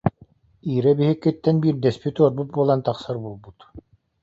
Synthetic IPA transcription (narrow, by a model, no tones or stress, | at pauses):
iːɾɛbiɦikːit̪ːɛnbiːɾd̪ɛspit̪uɔɾbut̪̚buɔlˠant̪ɑχsɑɾbulˠbut̪